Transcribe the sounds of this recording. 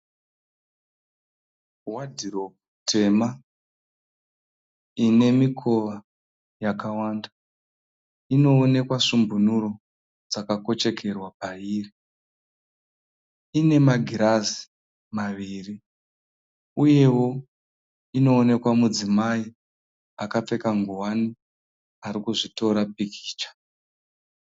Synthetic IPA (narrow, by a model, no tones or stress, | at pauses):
wadʱiro̞ | tʰe̞ma | ine̞mikʰo̞ʋa | jakawaːnda | ino̞ːne̞kwaʂumbunuro̞ | d͡zakako̞t͡ʃe̞kʰe̞rwapaiːri | ine̞maɡʱiɾazi̥ | maʋiri | uje̞wo̞ | ino̞ːne̞kwamud͡zimai | akap͡fe̞kaŋɡuwani | aɾikuʐito̞ɾap̚ikʰi̥ːt͡ʃḁ